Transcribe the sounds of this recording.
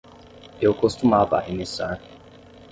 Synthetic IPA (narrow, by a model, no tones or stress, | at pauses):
jokostumava̰ʔinisan